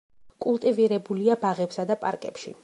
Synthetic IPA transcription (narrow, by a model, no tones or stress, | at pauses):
kʼulˠt̪ʼiviɾɛbuliabaʁɛpsad̪apʼa̰ɾkʼɛ̰pʃḭ